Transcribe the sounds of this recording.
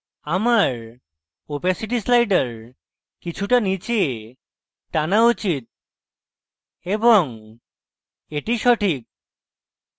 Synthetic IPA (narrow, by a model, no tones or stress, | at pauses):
amaɾ | opesiʈ̬islajɖəɾ | kit͡ɕʰuʈanit͡ɕe | ʈanaut͡ɕit̪̚ | ebɔŋ | eʈiʃɔʈʰik̚